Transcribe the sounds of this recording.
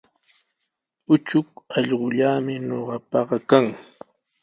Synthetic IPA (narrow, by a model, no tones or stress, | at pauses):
ʊt͡ʃʊkɑʎɢʊʎaːmɪnoɢɑpɑɢɑkaŋ